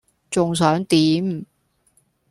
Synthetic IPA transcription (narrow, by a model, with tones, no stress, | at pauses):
t͡sʊ˨ŋs̬œː˨˥ŋt̪iː˨˥m